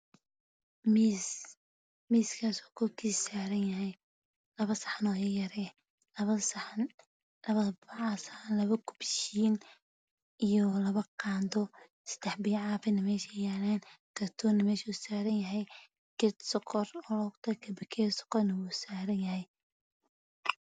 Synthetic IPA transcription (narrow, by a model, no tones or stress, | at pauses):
mis | miːskʰaːsɔːkʰɔrkʰiːssaːɾɐnjɐɦɛj | lɐβɐsɑ̥ħanɔːjɐjɐɾɛ | lɐβɐs | ɐβɐbɑʕasħanlɐβɐkʰʊ̥bʃiːn | ijɔlɐβɐqɑːnd̪ɔ | sɐ̥d̪ɛħbijʕɑːfɪnɐmɛːʃɛjanaːnk̪ʰɐrt̪ʰɔːnɐmɛːʃusaːɾɐnjɐɦɛj | kɛt̪sqʰɔrɔːlɔɡt̪ʰɐkʰɐbɪkʰɛːsɔ̥qɔrnɐwuːsaːɾɐnjɐɦɛj